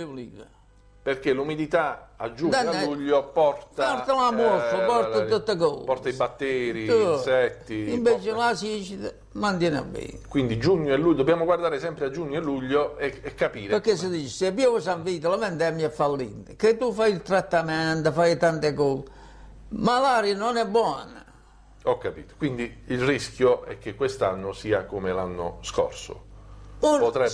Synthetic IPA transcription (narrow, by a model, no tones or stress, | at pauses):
eliðə̰ | perk̟elumid̪it̪aa̰d͡ʒːud̪anːɛuʎːopɔrt̪aɔɾt̪alamɔɾfəpɔɾəət̪ːəkɔ̰pɔɾt̪aibat̪ːeːɾiusɛt̪ːiimbet͡ʃɪlasit͡ʃit̪ə | mant̪jɛna̰bːɛ̰ːnkwind̪id͡ʒuɲːoelːud̪objaːmoɡward̪aːɾesɛmpɾead͡ʒuɲːoɛlːuʎːoɛɛkːapiːɾpeɾkːes̬əd̪iːt͡ʃɪsepːiovɔsaɱviːt̪əlamɛnt̪ɛmːiɛfːalːḭnːəket̪ːufajilt̪ɾat̪ːamɛnt̪əfajt̪ant̪ekɔ | malaːɾjanɔnɛbːwɔnə̰ | ɔkːapiːt̪o̥kwind̪iilriskjoɛ̰k̟ːekːwest̪anːosiːakomelanːo̰sko̰rso̰ɔpot̪ɾɛ